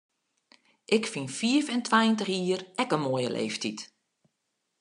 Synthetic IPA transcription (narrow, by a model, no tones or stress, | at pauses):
ʔɪkfinfiəfɛntʰwajəntəxiːərɛkənmoːjə̰lʔḛːftit